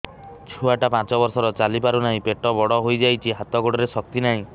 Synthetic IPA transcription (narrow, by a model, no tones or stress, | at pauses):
t͡ʃʰuaʈapãt͡ʃɔbɔɾsɔɾɔt͡ʃalipaɾunaɦĩpeʈɔbɔɽɔɦojd͡ʒajt͡ʃʰiɦat̪ɔɡoɽɔɾesɔk̚t̪inaɦĩ